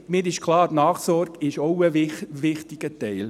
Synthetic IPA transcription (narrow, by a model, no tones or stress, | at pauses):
mɪːɾɪʃkʰlɑːnɑːχsɔɾɡɪʃoʊəʋɪχtɪɡ̥ətɛɪl